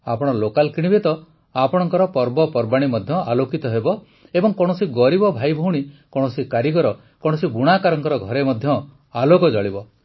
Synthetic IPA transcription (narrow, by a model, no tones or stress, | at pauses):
a̰pɔɽ̃ɔlokalkiɽ̃ibet̪ɔ | apɔɽ̃ɔŋkɔɾɔpɔɾbɔpɔɾbaɽ̃imɔd̪ʱjɔalokit̪ɔɦebɔ | ebɔŋkɔɽ̃ɔsiɡɔɾibɔbʱajbʱowɽ̃ikɔ̃ɔsikaɾiɡɔɾɔ | kɔɽ̃ɔsibuɽ̃akaɾɔŋkɔɾɔɡʱɔɾemɔd̪ʱjɔ | alokɔd͡ʒɔɭibɔ